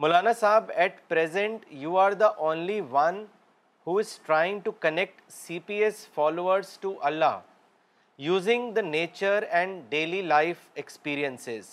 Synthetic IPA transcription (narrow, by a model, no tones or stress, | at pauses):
mʊlaːnasaːbɛʈpɾezə̃ɳʈjuːaːɾd̪əʔõːnliʋʌ̃n | huːɪz̥ʈɾaɪɪ̃ŋɡʈukənek̚ʈ | siːpiesfɔːloːəɾzʈuʔɐlːa̰ː | juːzɪ̃ŋd̪əneːt͡ʃəɾɛ̃ɳɖɖeːlilaɪfekspiːɾiə̃nsɪz